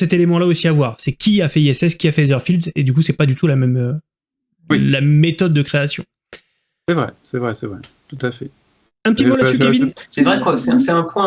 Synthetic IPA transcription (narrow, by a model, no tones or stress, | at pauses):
sɛt̪elemɑ̃laosiavwaːʁsɛkʲʰiafɛiɛsɛskʲiafɛzœʁfild̪zed̪ykusɛpad̪yt̪ulamɛmø | ilamet̪ɔd̪ːəkχeasjɔ̃ | sɛvʁɛ̰sɛvʁɛsɛvʁɛ̰ | t̪ut̪afɛ | ɛ̃pət̪imolasykabinsɛvʁɛkwasɛ̃sɛɛ̃pwɛ̃